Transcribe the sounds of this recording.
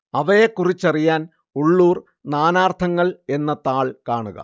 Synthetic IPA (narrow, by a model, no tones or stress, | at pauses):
ɐʋɐjekːurit͡ɕːɐrijaːn | uɭːuːr | naːnaːrt̪ʰɐŋːɐɭe̞nːɐt̪aːɭkaːɳuɣɐ̰